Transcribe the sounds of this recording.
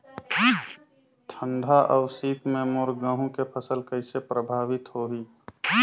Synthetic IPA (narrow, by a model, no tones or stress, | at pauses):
t̪ʰə̃nɖ̪ʱaʔəːsiːt̪mẽmoɾɡə̃ɦũkepʰəsəlkəɪsepɾəbʱaːʋɪt̪ɦoːɦiː